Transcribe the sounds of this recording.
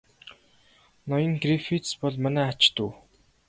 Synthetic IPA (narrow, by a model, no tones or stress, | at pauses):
nɔjə̆ŋɡrifit̪spɔɮmanæːat͡ɕt̪uː